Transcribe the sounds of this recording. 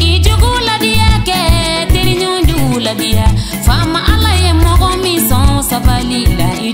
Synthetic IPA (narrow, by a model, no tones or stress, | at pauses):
id͡ʒoɡuladijakɛteɾiɲũduuladija | famaʔalajemɔɡɔmĩsɔ̃sabalila̰i